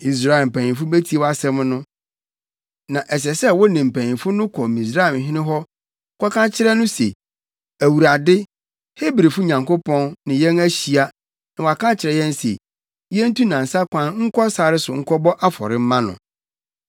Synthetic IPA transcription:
i˨s̬ɾa˦˨ɪ˨m̩˨pæ̃˨nĩ˨fʊ˦bæ˦tʰi˦e˦wa˦sɛ̃˦m˦nʊ̃˦ | nã˨ʔɛ˨s̬ɛ˨sɛ˦wɔ˦nĩ˨m̩˨pʰæ̃˨nĩ˨fʊ˦nʊ̃˦kʰɔ˨mĩ˨s̬ɾa˦ɛ˨m˨ɦɪ̃˦nɪ̃˦ɦɔ˦ | kʰʷɔ˦kʰã˦t͡ɕʰɪ˦ɾɛ˦nʊ̃˦sḛ˨ | æ˨wu˨ɾa˨dɪ˦ | he˦bɾi˨fʊ˦ɲã˨ŋko˦pʰɔ̃˦nːɪ̃˨jɛ̃˦næ˦ɕi˨a˦ | nɪ̃˨wa˨kʰã˦t͡ɕʰɪ˨ɾɛ˨jɛ̃˦n˦sḛ˨ | jɛ̃˦n̩˦tũ˦nã˨n̩˨sa˦kʷʰã˦nŋ̩˦kʰɔ˦saː˨ɾɪ˦sʊ˨ŋ̩˦kʰɔ˦bɔ˦ʔa˦fɔ̰˨ɾɪ̃˦m̩˦mã˦nʊ̰̃˨

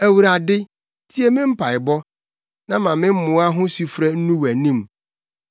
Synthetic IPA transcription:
æ˨wu˨ɾa˨dɪ˦ | tʰi˦e˨mɪ̃˦m̩˦pʰa˨ɪ˨bɔ˦ | nã˦mã˨mɪ̃˦m̩˦mʊ̃˨˦a˦ɦʊ̃˦su˨fɾɛ˦n̩˦nũ˦wæ˨nĩ˦˨m

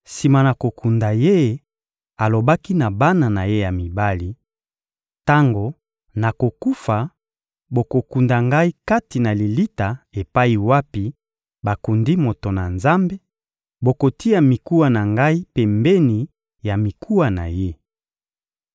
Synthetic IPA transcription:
si˨ma˨na˨ko˨ku˨nda˨je˦ | a˨lo˨ba˦ki˦na˨ba˦na˨na˨je˦ja˨mi˨ba˦li˨ | ta˦ŋɡo˨ | na˨ko˨ku˦fa˨ | bo˨ko˨ku˨nda˨ŋɡa˦i˦ka˦ti˨na˨li˨li˦ta˨e˨pa˦i˨wa˦pi˦ | ba˨ku˨ndi˦mo˨to˨na˨nza˦mbe˦ | bo˨ko˨ti˦a˨mi˨ku˦wa˨na˨ŋɡa˦i˦pe˨mbe˦ni˨ | ja˨mi˨kʰu˦wa˨na̰˨je˦

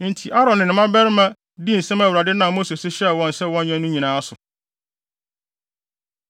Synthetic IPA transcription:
n̩˨tʰi˨ʔa˦ɾɔ̃˨nːɪ̃˨nɪ̃˨mã˦bɛ˦ɾmã˦ | di˦n̩˨sɛ̃˦mæ˨wɾa˨dɪ˦nã˨mo˦se˨sɪ˦ɕɛ˦˨wɔ̃˦n˨sɛ˦wɔ̃˦nɲɛ̃˦nũ˦ɲĩ˨nãː˨˦a˦sʊ˨

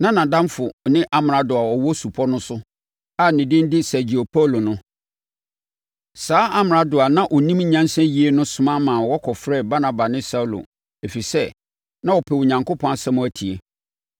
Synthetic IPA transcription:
nã˦nã˨dã˦mfʊ˨nɪ̃˦ʔa˦m˨ã˨dʊ˨a˨ɔ˨wɔ˦su˨pʰɔ˦nʊ̃˦sʊ˦ | a˦nɪ̃˨dɪ̃˦n̩˦dɪ˦sæ˨d͡ʑi˨o˨pʰa˦˨lo˨nʊ̃˦ | saː˨˦a˦mɪ˨ɾa˦dʊ˨a˨nã˦ʔɔ˨nĩ˦m˦ɲã˦n˦sɛ̃˦ji˨e˦nʊ̃˦sʊ̃˦mã˦mãː˨wɔ˦kʰɔ˨fɾɛ˦˨ba˦nã˨ba˨nɪ̃˦sa˦u˦lo̰˨ | e˨fi˨sɛ˦ | nã˦wɔ˨pʰɛ˨wʊ˨ɲã˨ŋko˦pʰɔ̃˦a˨sɛ̃˦mʊ̃˦æ˦tʰi˨e˨

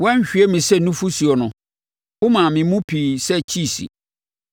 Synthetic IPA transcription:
wɔ̃˦ɲ˦ɕᶣi˨˦ɛ˦mĩ˨sɛ˦nũ˦fu˦si˨ɔ˨nʊ̃˨ | wʊ˦mã˨mɪ̃˨mũ˦pʰiː˨sɛ˦t͡ɕʰi˦˨sḭ˨

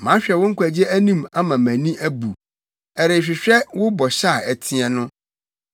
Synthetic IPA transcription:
mã˨˦ɕᶣɛ˨wʊ̃˦ŋ̩˦kʷʰæ˨d͡ʑɛ˦æ˦nĩ˦ma˦mã˨mæ̃˨nĩ˦ʔæ˦bu˨ | ɛ˨ɾe˨ɕᶣɪ˨ɕᶣɛ˦wʊ˦bɔ˨ɕa˦˨ɛ˨tʰĩ˦ɛ˨nʊ̃˦

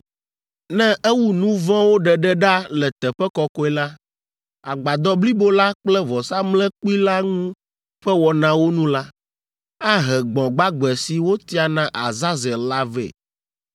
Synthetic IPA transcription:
nɛ̃˦ʔɛ˦wu˦nũ˦vɔ̃˦wo˦ɖɛ˨ɖɛ˦ɖa˦lɛ˨t̪ɛ˨ɸɛ˦kɔ˦kɔ˦ɛ˦la˦ | a˨ɡ͡ba˨d̪ɔ˦bli˦bo˦la˦k͡plɛ˦vɔ˨sa˦mlɛ̃˦k͡pi˦la˦ŋũ˦ | ɸɛ˦wɔ˨nã˦wo˦nũ˦la˦ | a˦ɦɛ˨ɡ͡bɔ̃˨ɡ͡ba˦ɡ͡bɛ˨si˨wo˦t̪i˦a˨nã˦ʔa˨za˦zɛ˨la˦vɛ̰˨

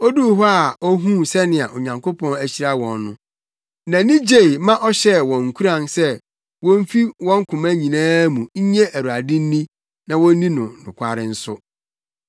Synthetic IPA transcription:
ɔ˦du˦ɦɔ˦a˨ɔ˦ɦũ˦sɛ˦nɪ̃˨a˨ʔo˨ɲã˨ŋkʰo˦pʰɔ̃˦næ˨ɕi˦ɾa˦wɔ̃˨nːʊ̰̃˦ | nã˨nĩ˦d͡ʑe˨i˨mã˦ʔɔ˦ɕɛ˦wɔ̃˨ŋ̩˨kʰu˦ɾã˨nsɛ˦ | wɔ̃˦m̩˦fi˦wɔ̃˦ŋ̩˦kʰʊ̃˨mã˦ɲĩ˨nãː˦mũ˨ɲ̩˦ɲɛ̃˦ʔæ˨ɾu˨a˨dɪ̃˦n̩˦nĩ˦ | nã˨wɔ̃˦n˦nĩ˦nʊ̃˨nʊ̰̃˨kʰʷa˨ɾɪ˦n̩˦sʊ˦

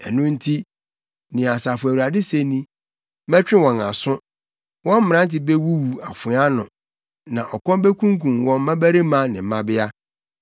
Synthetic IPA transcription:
ɛ˨nʊ̃˦n̩˦tʰi˦ | nɪ̃˨a˨sa˨fʊ˨æ˨wu˨a˨dɪ˦se˦nĩ˦ | mɛ˦t͡ɕᶣɪ̃˦wɔ̃˨na̰˨sʊ̃˦ | wɔ̃˦m̩˦m˨ɾã˦n˦t̬ɪ˨be˦wu˦wu˨a˨fʊ˨˦a˦nʊ̃˨ | nã˨ʔɔ˨kɔ̃˦be˦kʰũ˦ŋ˦kʰũ˨mwɔ̃˦m̩˦ã˦bæ˦ɾe˦mã˦nɪ̃˨m̩˨˦mã˦bɪ˦a˦

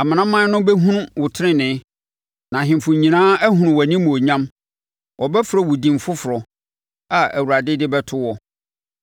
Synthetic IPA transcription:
a˨mã˨nã˦mã˦nʊ̃˦bɛ˦ɦũ˦nũ˦wʊ˨tʰɪ˦ɾɪ̃˦nɪ̃˨˦ | nã˨ɦɪ̃˨m˨fʊ̃˨ɲĩ˨nãː˦æ˦ɦũ˨nʊ̃˨wæ˨nĩ˦m̃˨o˨ɲã˦m | ʔɔ˨bɛ˦fʊ˨ɾɔ˨wʊ˨dĩ˨m˨fʊ˦fʊ˨ɾɔ˨ | a˨æ̰˨wu˨ɾa˨dɪ˦dɪ˦bɛ˦tʰʊ˦wɔ˨

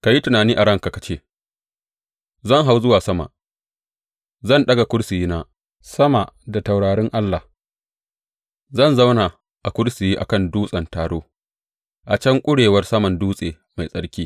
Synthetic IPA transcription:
ka˨ji˦tʊ˨naː˨niː˦ʔa˨ɽɐ˦ŋka˨ka˨t͡ʃeː˦ | zɐ˦˨ŋɦa˦wzʊ˦waː˨sɐ˦ma̰˨ | zɐ˦˨nɗɐ˦ɡa˨kʷʊ˦ɽsɪ˨jiː˦naː˦ | sɐ˦ma˨ʔda˨ta˨wɽaː˨ɽɪ˦ŋʔa˦lːa˨h | zɐ˦˨nza˦wna˨ | ʔa˨kʷʊ˦ɽsɪ˨jiː˦ʔa̰˨kɐ˦˨nduː˦sʼɐ˨ntaː˨ɽoː˦ | ʔa˨t͡ʃɐ˦ŋkʷʼʊ˦ɽeː˨wɐ˦rsɐ˦mɐ˨nduː˦sʼeː˨ | ma˨jsʼɐ˦ɽkʲiː˦

